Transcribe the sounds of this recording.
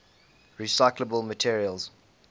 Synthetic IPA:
ɹisaɪkləbəlmətʰiəɹiəlˠz̥

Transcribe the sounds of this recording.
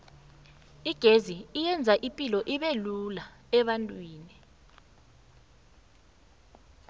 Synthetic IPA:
iɡ̥ʱeziːjɛnd͡zʱaʔipʼilɔʔiɓelulaɛɓantʼwiːni

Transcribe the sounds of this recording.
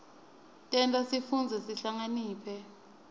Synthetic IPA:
tʼɛntʼasifund͡zʱɛsiɬaŋaniːpʰɛ

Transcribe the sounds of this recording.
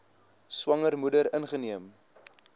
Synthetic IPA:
swɐŋərmudəɾənχəniəm

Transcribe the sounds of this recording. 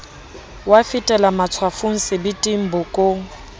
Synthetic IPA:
wafitʼɛlamat͡sʰwafʊŋ̩sɪbitʼim̩bʊkʼo

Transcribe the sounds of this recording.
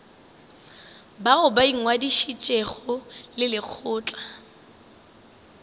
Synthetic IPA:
baʊbaiŋ̩ŋwadiʃit͡ʃʼeχɔlɪlɪk͡xʰʊːt͡ɬʼḁ

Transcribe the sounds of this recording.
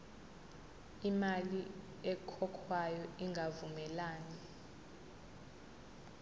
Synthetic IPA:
imali | ɛkʰɔkʰwajɔiŋɡʱavumɛlaːni

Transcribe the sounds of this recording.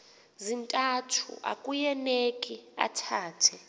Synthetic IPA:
zintʼatʰṵʔa̰kʼujɛnekʼia̰tʰaːtʰɛ

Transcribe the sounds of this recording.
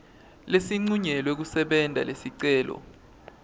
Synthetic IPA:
lesiŋ͡ǀuɲɛlwek̬usɛɓɛndʱa̰lesiǀɛːlɔ̰

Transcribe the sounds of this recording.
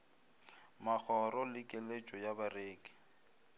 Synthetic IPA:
mak͡xʰɔrɔlɪkʼɪlet͡ʃʼɔjabareːkʼɪ̥

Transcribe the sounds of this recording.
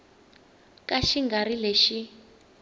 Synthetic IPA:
kaʃiŋɡaɾileʃi

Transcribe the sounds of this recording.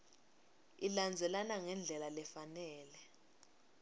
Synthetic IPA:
iland͡zʱɛlanaŋɛnd͡ɮʱɛlalɛfanɛːlɛ

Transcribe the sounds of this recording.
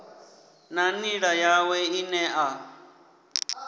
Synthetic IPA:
naniɺajawɛinɛʔa

